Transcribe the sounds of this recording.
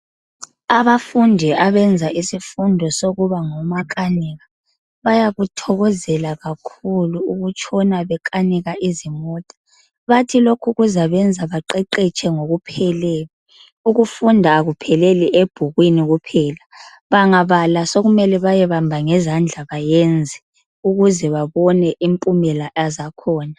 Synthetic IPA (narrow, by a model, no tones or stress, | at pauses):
aβafundʱiaβɛnd͡zʱaʔisifundʱɔsoɣuβaŋɔmakʼaniɣa | βajaɣutʰɔɣɔzɛlaɣakʰuluuɣut͡ʃʰʼɔnaβɛkʼaniɣaʔizimɔːtʼḁ | βatʰilokʰuɣuzaβɛnd͡zʱaβaǃɛǃɛt͡ʃʼɛŋoɣupʰɛlɛli | uɣufundʱaːɣupʰɛlɛliʔeb̥ʱuɣwiniɣupʰɛːla | βaŋaβalasoɣumɛlɛβajɛβambʱaŋɛzand͡ɮʱaβajɛnd͡zʱɛ | uɣuzɛβaβɔnɛʔimpʼumɛlaʔazakʰɔːna